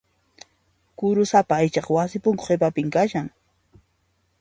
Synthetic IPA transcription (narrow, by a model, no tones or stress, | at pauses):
kʊɾʊsapaajt͡ʃɑχwasɪpʊŋko̥χep̬apɪŋkaʃaŋ